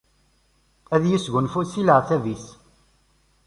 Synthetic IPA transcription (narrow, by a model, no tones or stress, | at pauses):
æðjisɡənfusiləʁθævis